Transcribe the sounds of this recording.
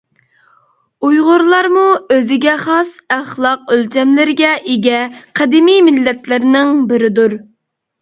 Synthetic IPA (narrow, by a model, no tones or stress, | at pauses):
ujʁʊɾlˠɑɾmuøzɪɡʲɛχɑsæχlˠɑqølt͡ʃʰɛmlɪɾɪɡʲɛʔeɡʲɛqʰɛd̪ɪmijmɪlːɛt̪lɪɾnɪŋbɪɾɪd̪uɾ